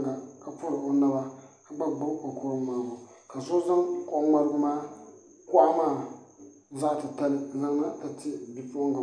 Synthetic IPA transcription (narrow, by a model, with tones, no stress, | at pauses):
ɡa˨ka˨pʊ˦ɾɪ˨o˨na˦ba˦ka˨ba˦ɡ͡bʊ˦ɾo˨kʊ˦ɾʊ˦mːaː˨˦bʊ˨ | ka˨so˦za˦ŋkɔ˦ŋma˦ɾɨ˦ɡʊ˦maː˦ | kʊ˦a˦maː˦˨ | za˦˨tɨ˨ta˦lɪ˦˨na˦ŋ˦na˦ta˨tɪ˦˨bi˨po˦ŋɡa˨